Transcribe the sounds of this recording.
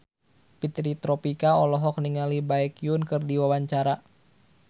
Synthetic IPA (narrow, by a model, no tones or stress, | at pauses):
pit̪ɾit̪ɾɔpikaɔlɔɦɔk̚niŋalibaɛkjunkɨrdiwawaɲt͡ʃaɾa